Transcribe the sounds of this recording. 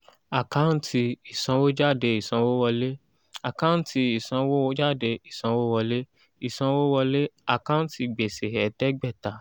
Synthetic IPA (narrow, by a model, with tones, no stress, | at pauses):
a˨kã˦˧n̩˦tʰi˧i˨sã˧wo˦d͡ʒa˦˨de˧i˨sã˧wo˦wɔ˧le˦ | a˨kã˦n˦ti˧i˨sã˧wo˦d͡ʒa˦˨de˧i˨sã˧wo˦wɔ˧le˦ | i˨sã˧wo˦wɔ˧le˦a˨kã˦n˦ti˧˨ɡ͡be˨se˨hɛ˨˦tɛ˦ɡ͡bɛ˦˨ta˨˦